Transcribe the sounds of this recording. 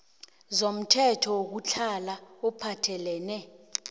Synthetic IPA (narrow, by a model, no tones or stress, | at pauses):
zom̩tʰɛtʰɔok̬ut͡ɬʰalaɔpʰatʰɛlɛːnɛ